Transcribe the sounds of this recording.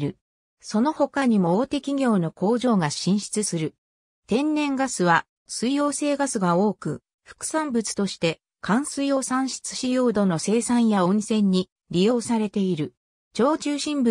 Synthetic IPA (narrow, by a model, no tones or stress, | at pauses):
ɾɯ̟ | so̞no̞ho̞kaɲ̟imo̞ːt̪e̞kʲiɡʲo̞ːno̞ko̞ːʑo̞ːɡaɕĩɰ̃ɕi̥t͡sɨsɨɾɯ̟ | t̪ẽ̞nːẽ̞ŋɡasɨβa | sɨijo̞ːse̞ːɡasɨɡao̞ːkɯ̟ | ɸɯ̟̥kɯ̟̥sãmbɯ̟t͡sɨ̥t̪o̞ɕi̥t̪e̞ | kʰãɰ̃sɨijo̞ːsãɰ̃ɕi̥t͡sɨ̥ɕijo̞ːd̪o̞no̞se̞ːsãɰ̃jaõnsẽ̞ɲ̟ːi | ɾʲijo̞ːsaɾe̞t̪e̞iɾɯ̟ | t͡ɕo̞ːt͡ɕɨːɕĩmbɯ